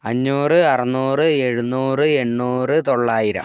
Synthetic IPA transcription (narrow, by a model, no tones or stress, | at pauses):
ɐɲːuːrɨɐrɐnuːrɨe̞ɻunuːrɨe̞ɳːuːrɨt̪o̞ɭːaːjiɾɐ̰m